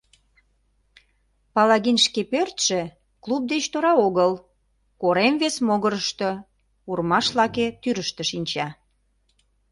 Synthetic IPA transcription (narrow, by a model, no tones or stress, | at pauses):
pɑlɑɣinʃkepørt̪ʃĕ | klub̚d̪et͡ɕt̪oɾɑoɣəl | koɾemβesmoɣəɾəʃt̪o | urmɑʃlɑket̪yɾəʃt̪ə̆ʃinʲt͡ɕɑ